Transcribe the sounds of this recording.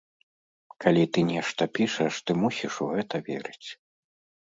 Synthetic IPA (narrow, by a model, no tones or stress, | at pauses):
kalʲit̪ɨnʲɛʂt̪ɐpʲiʂɐʂt̪ɨmusʲiʂuɣɛt̪ɐvʲɛɾɨt͡sʲ